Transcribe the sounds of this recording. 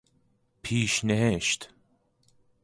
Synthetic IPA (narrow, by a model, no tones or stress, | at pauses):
pʰiːʃneɦeʃt̪